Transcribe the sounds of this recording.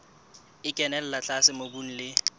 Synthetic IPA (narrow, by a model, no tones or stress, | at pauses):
ɪkʼɛnɛl̩lat͡ɬʼasɪmobun̩lɪ